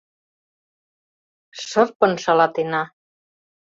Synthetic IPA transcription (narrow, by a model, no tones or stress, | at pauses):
ʃərpə̆nʃɑlɑt̪enɑ